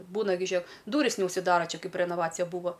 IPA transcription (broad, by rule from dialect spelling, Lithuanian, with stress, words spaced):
ˈbuːnɐ ɡʲɪ ˈʒʲiɛk ˈduːrʲɪs nʲɛʊʃʲsʲɪˈdɑːrɐ ˈt͡ʃʲɛ ˈkɐɪp rʲɛnoːˈʋɑːt͡sʲɪjɛ ˈbuːʋoː